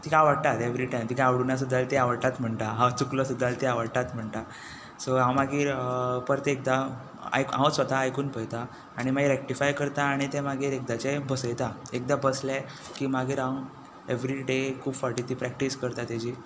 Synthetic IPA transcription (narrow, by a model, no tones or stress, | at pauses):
t̪ikaaʋəɽt̪at̪eʋɾiʈajmt̪ikaaʋɽunas̬ud̪ːalt̪eaʋəɽʈ̪at̪m̤əɳt̪aɦãwt͡sukləsud̪ʱːalt̪iaʋəɽt̪at̪m̤əɳt̪a | soɦãwmaɡiːɾpəɾt̪ek̚d̪a | a̰jkãwsʋət̪aːjkuːnpəjt̪aː | ɽ̃imaɡiɾɛk̚ʈifajkəɾt̪aːɽ̃it̪emaɡiːɾek̚d̪at͡ɕebəsəjt̪aek̚d̪abəslɛ | kiːmaɡiːɾã | eʋɾiɖekʰuːbfəɾʈit̪ipɾɛk̚ʈiskəɾt̪at̪ad͡ʑi